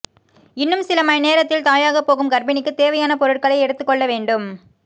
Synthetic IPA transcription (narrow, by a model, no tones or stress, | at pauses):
ɪnːɯmsɪlɐmɐjneːɾɐt̪ːɪlt̪aːjaːɣɐpːoːɣɯmkɐɾbɪnɪkːɯt̪eːʋɐjaːnɐpɔɾɯʈ̚kɐɭɐɪɛɽɯt̪ːɯkːɔɭːɐʋeːɳɖɯm